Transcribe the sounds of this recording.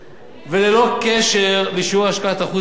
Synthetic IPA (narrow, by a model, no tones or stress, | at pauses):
velelo̞keʃeʁliʃuaʃkaat̪aχu